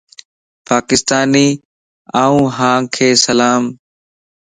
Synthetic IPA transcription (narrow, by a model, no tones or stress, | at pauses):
paːkɪst̪aːniː | aːũːɦãːkʰeːsəlaːm